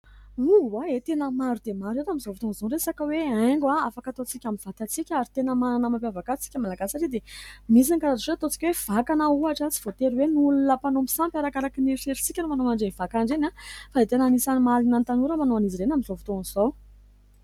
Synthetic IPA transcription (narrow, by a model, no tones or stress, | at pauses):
uwaet̪enəmaɾud̪emaɾewt̪amizovut̪onzoɾesakəweaŋɡwaafakat̪ot͡sikʲamiv̥at̪at͡sikʲaɾit̪enəmananəmampjavakat͡si̥kʲəmalaɡasaɾed̪emis̬inkaɾaɾɾeat̪ot͡si̥kʲwev̥akanauaʈ͡ʂat͡si̥v̥ot̪eɾwenulunəpanomi̥sampaɾakaɾakineʃeɾit͡sikʲənumanoaɳɖ͡ʐevakaɳɖ͡ʐenafad̪et̪enanisanimalinant̪anuɾəmanoaniziɾenamizovut̪onizow